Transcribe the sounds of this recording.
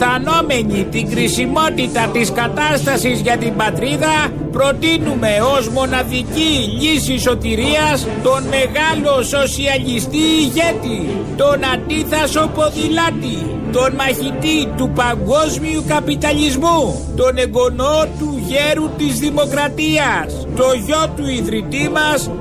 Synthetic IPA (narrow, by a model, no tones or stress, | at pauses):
θɐno̞me̞ɲit̪iŋɡɾisimo̞t̪it̪ɐt̪iskɐt̪ɐst̪ɐsizʝɐt̪imbɐt̪ɾiðɐ | pɾo̞t̪inume̞o̞zmo̞nɐðiciʎisiso̞t̪iɾiɐs | t̪o̞nme̞ɣɐlo̞so̞siɐʎist̪iːʝe̞t̪i | t̪o̞nɐnd̪iθɐso̞po̞ðilɐt̪i | t̪o̞nmɐçit̪it̪upɐŋɡo̞zmiukɐpit̪ɐʎizmu | t̪o̞ne̞ɡo̞not̪uʝeɾut̪izðimo̞kɾɐt̪iɐs | t̪o̞ʝo̞t̪uiðɾit̪imɐs